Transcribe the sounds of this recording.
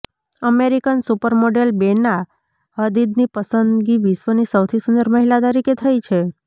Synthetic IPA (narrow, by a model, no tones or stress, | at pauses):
əmeɾikənsupəɾmoɖelbena | ɦəd̪id̪nipəsənd̪ɡiʋisʋənisəwt̪ʰisund̪əɾməɦilat̪əɾiket̪ʰəjt͡ʃʰe